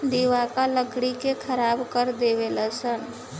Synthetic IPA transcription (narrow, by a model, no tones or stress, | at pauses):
d̪iʋakaləɡɽikekʰəɾabkəɾd̪eʋeləsən